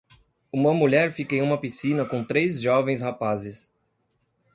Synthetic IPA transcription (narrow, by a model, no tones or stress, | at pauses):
ũmɐmuʎɛɾfikɐẽj̃ũmɐpisĩnɐkõw̃t̪ɾezʒɔvẽj̃shapazɪs